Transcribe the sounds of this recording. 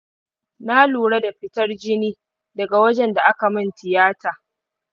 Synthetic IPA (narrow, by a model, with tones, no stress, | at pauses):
na˦luː˨ɽa˦da˨ɸɪ˦tɐ˦rd͡ʒɪ˦niː˦ | dɐ˨ɡa˨wɐ˦d͡ʒɛ˨nda˨ʔa˦ka˨mɪ˦˨ntʰɪ˨jaː˦taː˨